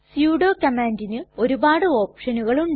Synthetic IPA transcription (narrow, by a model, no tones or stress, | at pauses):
sjuːɽo̞ːkɐmaːndinɨo̞ɾubaːɽɨo̞ːpʂɐnuɣɐɭum